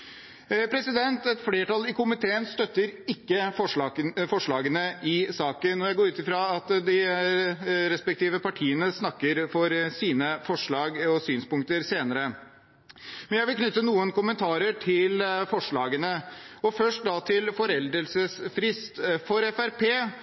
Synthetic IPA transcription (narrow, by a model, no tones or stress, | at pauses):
pʰɾɛsɪd̪ɛnt̪ɛt̪fleːʈɑlːɪkʊmɪt̪ʰeːənst̪œt̪ːəɾɪkːəɔfɔʂɭɑːɡənəʔɪsɑːkənːɔɾjæɪɡoːɾʉːt̪ɪfɾɑɑt̪d̪ɪ | ɾɛspɛk̚t̪ʰiːʋəpɑʈʰiːənəsnɑkːəɾfɔɾsiːnəfɔʂɭɑːɡɔsyːnspʊŋkt̪əɾseːnəɾə | mɛnjæɪʋɪlkʰnʏt̪ːənuːənkʊmənt̪ʰɑːɾəʈʰɪlfɔʂɭɑːɡənəɔfœʂʈ̚d̪ɑt̪ʰɪlfɔɾɛld̪ɾəlsəsfɾɪst̪fɔɾɛfæɾpʰeː